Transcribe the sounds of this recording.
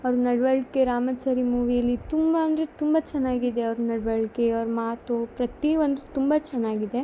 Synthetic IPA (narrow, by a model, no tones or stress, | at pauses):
ɐʋɾunɐɽʋɐɭkeɾaːmɐt͡ʃaːɾimuːʋijɐlːit̪umbɐːnd̪ɾet̪umbɐt͡ʃɛnːaːɡid̪eɐʋɾunɐɽʋɐɭkeɐʋɾumaːt̪upɾɐt̪iʋɐnd̪ut̪umbɐt͡ʃɛnːaːɡid̪e̞